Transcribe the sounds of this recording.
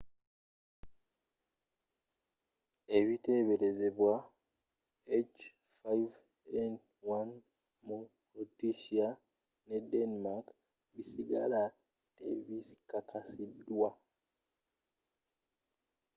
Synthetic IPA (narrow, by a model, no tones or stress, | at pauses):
e̞βite̞βe̞ɾe̞ze̞βwa | et͡ʃ | fajv | en | wan | mupɾutiʃia | ne̞denimak | βisiɡa̰la | tḛβisi̥kakʰasidwa